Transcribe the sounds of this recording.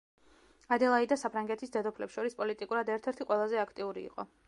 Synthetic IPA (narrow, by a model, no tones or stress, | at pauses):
ad̪ɛlˠaid̪asapʰɾaŋɡɛt̪ʰisd̪ɛd̪ɔpʰlɛpsʃɔɾispʼɔlit̪ʼikʼuɾad̪ɛɾt̪ʰɛɾt̪ʰiqʼwɛlˠazɛakʰt̪ʼiuɾḭːqʼɔ̰